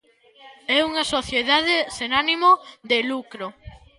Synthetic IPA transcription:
ɛuŋɐsoθjeðaðesenanimoðelukɾo

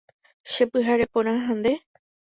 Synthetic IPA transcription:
ʃepɨɦaɾe̞põɾ̃ãɦãnd̪e̞

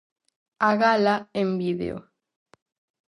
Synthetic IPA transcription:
aɣalaembiðḛo̰

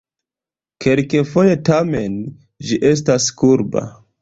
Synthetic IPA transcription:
ke̞lkefo̞je̞tame̞n | d͡ʒiʔe̞s̬taskuɾba̰

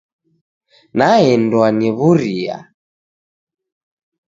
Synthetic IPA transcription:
naɛndwaniβuɾia̰

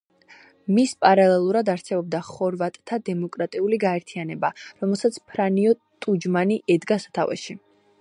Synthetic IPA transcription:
mispʼaɾalɛlˠuɾad̪aɾsɛbɔb̚d̪aχɔɾvat̪ʼt̪ʰːad̪ɛmɔkʼɾat̪ʼiuliɡaɛɾt̪ʰianɛbaɾɔmɛlˠsat̪sʰpʰɾaniɔt̪ʼud͡ʒmaniʔɛd̪ɡasḁt̪ʰa̰vɛ̰ʃi

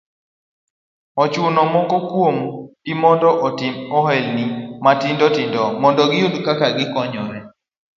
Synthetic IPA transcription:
ɔt͡ʃʊnɔmɔŋɡɔkwomɡɪmɔndɔʔɔtɪmɔɦɛlnimatindɔtindɔmɔndɔɡɪjudkakaɡɪkɔɲɔɾɛ

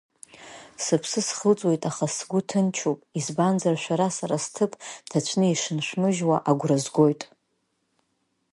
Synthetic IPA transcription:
sɨpʰsɨsχəlt͡sʼwojtʼaχasɡʷʊtʰɨnt͡ʃʰopʼizband͡zarʃʷᶣaɾasaɾastʰɨpʼtʰat͡ɕʷʰnɨiʂɨnʃʷᶣmɨʒwaʔaɡʷrazɡʷo̞jtʼ

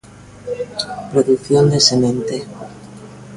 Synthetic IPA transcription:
pɾoðukθjond̪esemẽnt̪e

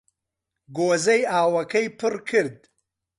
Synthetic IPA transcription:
ɡoːzɐjaːwɐkʰɐjpʰɨrkʰɨɾd̪̚

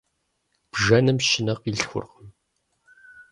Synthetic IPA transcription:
b̥ʒɐnɨmʃɪnɐqiɬxʷʊ̰rqəm

